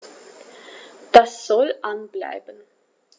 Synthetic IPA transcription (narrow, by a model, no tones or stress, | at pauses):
d̥asz̥ɔlʔanbla̰ɪbən